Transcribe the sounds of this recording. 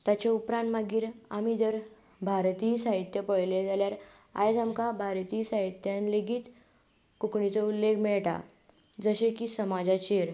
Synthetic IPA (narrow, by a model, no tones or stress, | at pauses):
t̪at͡ɕaupɾãnt̪maɡiːɾa̰mid̪əɾ | bʱaɾt̪iːsaɦit̪jəpəɽled͡zaljaɾ | a̰jd͡zamkabʱaɾt̪iːsaɦit̪janleɡiːt̪ | kukɳit͡səulːeɡʰmɛɭʈa̰ | d͡zəɕekiːsəmad͡zat͡ɕeɾ